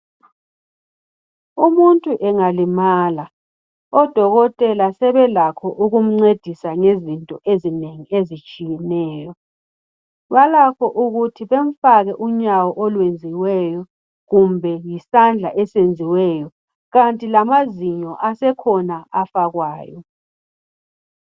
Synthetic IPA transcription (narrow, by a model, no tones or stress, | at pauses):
umuntʼuʔɛŋalimaːla | ɔd̥ʱɔɣɔtʼɛlasɛβɛlakʰɔʔuɣum̩ŋ͡ǀed̥ʱisaŋezintʼɔʔezineŋiezit͡ʃʼijɛnɛːjɔ | βalakʰɔʔuɣutʰiβeɱ̩faɣɛʔuɲawɔʔɔlwend͡zʱiwɛjɔ | ɣumbʱɛjisand͡ɮʱaʔɛsend͡zʱiwɛjɔ | ɣantʼilamaziɲɔʔasɛkʰɔnaafaɣwaːjɔ